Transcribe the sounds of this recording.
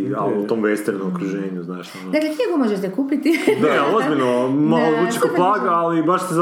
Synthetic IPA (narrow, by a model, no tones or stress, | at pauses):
aut̪oːmʋest̪eɾnomokɾuʒeːɲuznaːʃonod̪aklet̪iekomoʒeʃt̪ɛkuːpit̪id̪alozbilʲnomaloɾut͡ʃi̥kolˠaːɡaalibaʃsez